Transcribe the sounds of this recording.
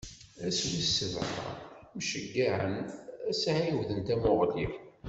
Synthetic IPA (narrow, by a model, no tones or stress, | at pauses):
æswisəvɾɑ̰mʃəɡːaʕə̰næsʕiwðənt̪æmʊʁlif